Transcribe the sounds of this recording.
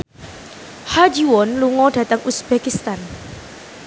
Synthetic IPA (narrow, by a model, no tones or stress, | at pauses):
had͡ʒiwɔnluŋɔd̥ä̤t̪əŋusb̥ekist̪an